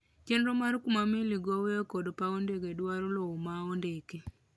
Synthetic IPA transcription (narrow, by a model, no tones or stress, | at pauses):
t͡ʃenɾomaɾkumameliɡɔweokɔdpaondekedwaɾoloomaondeke